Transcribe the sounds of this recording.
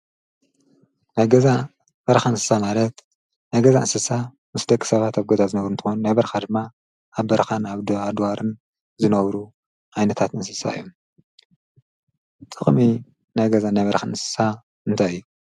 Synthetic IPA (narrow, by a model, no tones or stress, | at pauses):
naβɡɐza | b̥ɐɾxanɨsɨ̥samalɐt̪ | najɡɐzaʔɨnsɨsa | mɨsd̪ɐkʼːi̥sɐβat̪aβɡɐzazɨnɐβɾunt̪ʰɨ̥xonunajbɐɾxad̪ɨmːa | ʔaβbɐɾxanaβd̪ad̪waɾʔɨn | zɨnɐβɾu | ʔajnɐt̪ʰat̪nɨnsɨsa̰ɨ̰jːom | t͡sʼɨkʼχʼmi | najɡɐzanajβɐɾxanɨsɨ̥sa | ɨnt̪ʰajɨjːu